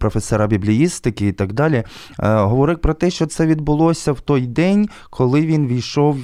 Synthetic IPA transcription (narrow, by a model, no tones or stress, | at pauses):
pɾɔfesɛɾɑbʲiblʲijist̪ɪkɪit̪ɑɡd̪ɑlʲi | ɦɔʋɔɾɪwpɾɔt̪ɛʃt͡ʃɔt̪sɛʋʲid̪̚bʊlˠɔsʲɐwt̪ɔjd̪ɛnʲ | kʰɔlˠɪʋʲinʋʲijʃɔw